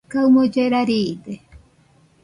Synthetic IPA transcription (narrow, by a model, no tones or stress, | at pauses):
kawmod͡ʒeɾaɾiːde